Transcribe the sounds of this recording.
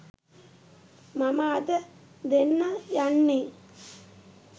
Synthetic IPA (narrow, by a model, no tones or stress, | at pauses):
mɐmaːd̪ɐ | d̪enːɐjaɳːeː